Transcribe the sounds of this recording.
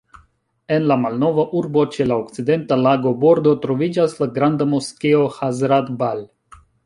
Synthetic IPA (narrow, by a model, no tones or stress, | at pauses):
e̞nlamalno̞vaʔuɾbo̞t͡ʃe̞laokt͡side̞ntalaɡo̞bo̞ɾdo̞tɾo̞vid͡ʒaslaɡɾandamoskeo̞hazɾad̪bal